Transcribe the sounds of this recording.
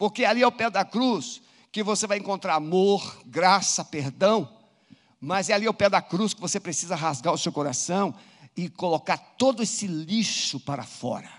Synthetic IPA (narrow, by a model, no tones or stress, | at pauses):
poɾkealiɛʊpɛd̪ɐkɾus | kɪvosevajẽŋkõnt̪ɾaɾamoɾɡɾasɐpeɾd̪ɐ̃w̃ | mɐzɛaliɛʊpɛd̪ɐkɾuskɪvosepɾesizɐɦazɡaɾʊsewkoɾasɐ̃w̃ | ɪkolokaɾt̪od̪ʊesɪliʃʊpaɾɐ̰fɔ̰ɾɐ